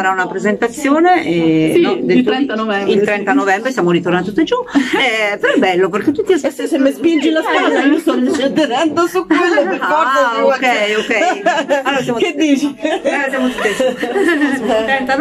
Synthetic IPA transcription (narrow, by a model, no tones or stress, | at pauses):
ɾaunapɾezent̪at̪sːjoːneʔɛd̪et̪ɾɛnt̪aɛilt̪ɾɛnt̪anovɛmbɾesjamoɾit̪ornant̪ut̪ːed͡ʒuɛpeɾɔɛbːɛlːop̬erket̪ːut̪ːiassisemːespind͡ʒilaskwad̪aiost̪ɔnt͡ʃed̪eɾɛnd̪osukelokɔrd̪ookɛjokːɛsalːoːɾasjamoked̪ːiːt͡ʃiloɾasjamot̪ut̪eskosanamt̪ɾɛnt̪an